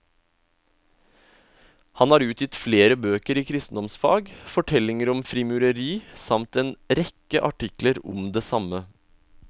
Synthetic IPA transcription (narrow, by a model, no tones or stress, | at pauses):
hɑnɑːɾʉːt̪ʰjɪt̪fleːɾəbøːkəɾiːkʰɾɪst̪n̩d̪ɔmsfɑ̰ːɡfɔʈʰɛlɪŋəɾɔmfɾɪmʉɾəɾiːsɑmt̪eːnɾɛkːə̰ʔɑʈɪkləɾɔ̰md̪eːsɑmə